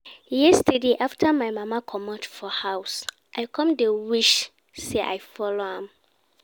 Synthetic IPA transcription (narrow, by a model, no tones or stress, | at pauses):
jɛstedeʔaftʰamaɪmãmakʰɔmɔtfɔhaʊs | ʔaɪkʰɔ̃mdewiʃ | seʔa̰jfɔlohãm